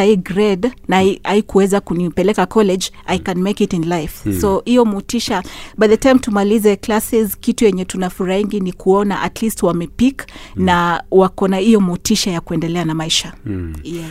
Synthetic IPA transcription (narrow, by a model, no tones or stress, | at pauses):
aiɡɾɛdnaiaikuwɛzakunipɛlɛkakɔlɛd͡ʒ | ajkanmekitĩnlajfsohijɔmutiʃabajðətãjmtumalizɛklasizkitujɛɲɛtunafuɾahiŋɡinikʰuɔnaʔatlistwamɛpiknawakɔnaijɔmutiʃajakuɛndɛlɛanamaiʃaja